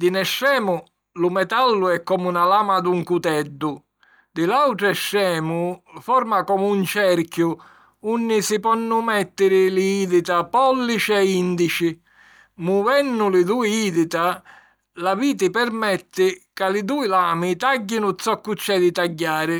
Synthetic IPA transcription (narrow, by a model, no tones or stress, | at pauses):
d̪inɛʃːɛːmʊ | lumɛt̪alːʊɛkːɔmunalaːmad̪uŋkut̪ɛd̪ːʊ | d̪ɪlawʈ̪ɾɛʃːɛːmʊfɔɾmakɔmunt͡ʃɛɾkju | unːisipɔnːʊmɛt̪ːɪɾɪliiːðit̪apɔlːit͡ʃiɛind̪it͡ʃi | muvɛnːʊlɪd̪uːiiːðit̪a | laviːt̪̬ɪpɛɾmɛt̪ːɪkalɪd̪uːilaːmit̪aɟːinʊt̪sɔkːut͡ʃːɛd̪it̪aɟːaːɾɪ